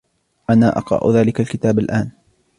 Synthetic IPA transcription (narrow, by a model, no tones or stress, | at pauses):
ʔanaːʔɑ̰qɾˤɑ̰ʔʊ̰ðaːlɪkalkɪt̪aːbalʔaːn